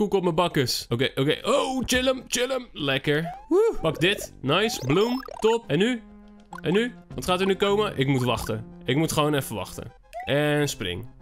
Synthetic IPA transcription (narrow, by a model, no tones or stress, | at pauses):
kukɔp̚məbɑkəsokeʔokejʔowt͡ʃɪləmt͡ʃɪləmlɛkəɹupɑk̚dɪtnajsblumtɔpɛnːy | ɛnːyʋɔtχaːtəɹnykowməʔɪkmutʋɑχtəɪk̚mutχəʋownɛfəʋɑ̰χtə̰ | ʔɛnsprɪ̰ŋ